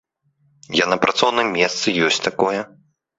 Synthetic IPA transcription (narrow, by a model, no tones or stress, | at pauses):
janɐpɾʔat̪sɔwnɨmːʲɛst̪sɨjɔsʲtʲt̪akɔjɛ